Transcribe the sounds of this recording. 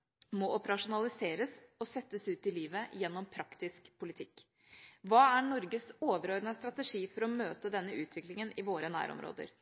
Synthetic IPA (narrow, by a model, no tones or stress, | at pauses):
mɔʔɔpəɾɑʂʊnɑlˠɪseːɾəsɔsɛt̪ːəsʉːt̪ɪliːʋəjɛnːɔmpʰɾɑkt̪ɪskpʰʊlɪt̪ʰɪkː | ʋɑːæɳɔɾɡəsoːʋəɾɔɾnəst̪ɾɑt̪əʂiːfɔɾɔmøːt̪əd̪ɛnːəʉːt̪ʰʋɪklɪŋənɪʋoːɾənæ̰ːɾɔ̰mɾo̰ːd̪ə̰ɾ